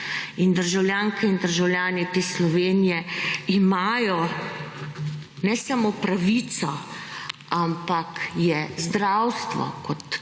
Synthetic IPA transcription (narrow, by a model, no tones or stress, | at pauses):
ind̪əɾʒawlʲjaːŋkʰɛind̪əɾʒawljaːnit̪eːslɔʋeːnijɛimajɔ | nɛsamopɾaʋiːt̪sɔ | ampakjɛzd̪ɾawst̪ʋɔ̰kɔt̪